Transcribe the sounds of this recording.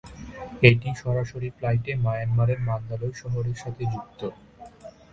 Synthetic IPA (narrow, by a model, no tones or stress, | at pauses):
eʈiʃɔɾaʃoɾiflajʈemajanmaɾeɾmand̪alojʃɔɦoɾeɾʃat̪ʰed͡ʑuk̚t̪o